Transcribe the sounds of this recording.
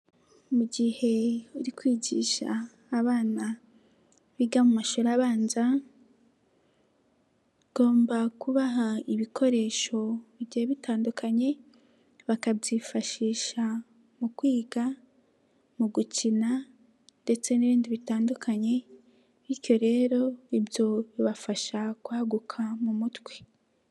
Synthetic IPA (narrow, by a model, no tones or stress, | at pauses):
muɟihe̞uɾikwiːɟḭːʃa̰ː | βaːna | βiɡamumaʃoɾaβaːnza | ɡ̥o̞ːmbakuβaɦaiβikʰo̞ɾe̞ːʃo̞βiɟiheβitaːndukʰaɲe̞ | βakabɟifaʃiːʃa | mukwiːɡa | muɡut͡ʃina | nde̞t͡se̞niβiːndiβitaːndukʰaɲe̞ | βiɾjo̞ɾe̞ːɾo̞ibjo̞βiβafaʃakwaːɡukʰamumutɡwe̥